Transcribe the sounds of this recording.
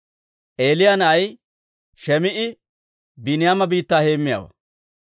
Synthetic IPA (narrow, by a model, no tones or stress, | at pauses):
ʔe̞ːlɪjɐnɐj | ʃɛmɪʔɪ | bɪnɪjaːmɐbiːt̪ːaːhe̞ːmːɪja̰ːwɐ̰